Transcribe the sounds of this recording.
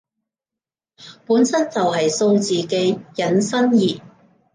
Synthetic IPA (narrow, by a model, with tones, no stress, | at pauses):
puː˨˥nsɐ˥nt͡sɐ˨wɦɐ˨jso˧wt͡siː˨˩ke˧˥jɐ˨˥nsɐ˥njiː˨˩